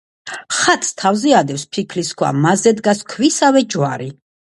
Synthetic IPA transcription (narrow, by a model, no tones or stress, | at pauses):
χat̪ʼst̪ʰavziad̪ɛfspʰikʰliskʰwa̰mazɛd̪ɡaskʰwisavɛd͡ʒwaɾi